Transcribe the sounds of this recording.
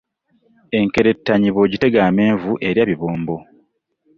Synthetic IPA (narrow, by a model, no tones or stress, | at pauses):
e̞ŋke̞ɾe̞tːaɲiβo̞ɟite̞ɡaːme̞ːɱvuʔe̞ɾjaβiβoːmbo̞